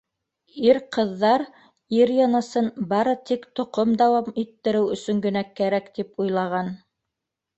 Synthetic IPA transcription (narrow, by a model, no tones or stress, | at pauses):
iɾqɤ̆ðːɑɾ | iɾjɑnɤsɤnbɑɾɤt̪ikt̪ŏqomd̪ɑwɑmit̪ːɘ̆ɾɘwɵ̆sɵ̆ŋɡɵ̆nækæɾækt̪ipujlˠɑʁɑn